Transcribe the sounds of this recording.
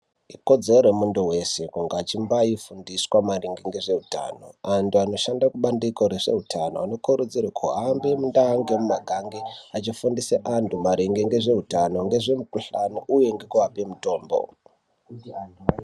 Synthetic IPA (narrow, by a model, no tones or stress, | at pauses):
iko̞d͡zeroɾemunduwese̞kuŋɡaːt͡ʃimbaifundiswamariŋɡiŋɡe̞ʐe̞ɦuta̰no̞̰antʰuano̞ʃandakuɓandikoɾeʐe̞̰ɦutʰano̞̰a̰no̞kuɾud͡zirwakʰuɦambemundaːŋɡemumaɡʱaŋɡeat͡ʃifundiseʔantʰumaɾiŋɡeŋɡe̞ʐe̞utano̞ŋɡe̞ʐe̞mukuɬanoʔuje̞ŋɡe̞kuapemuto̞ːmbo̰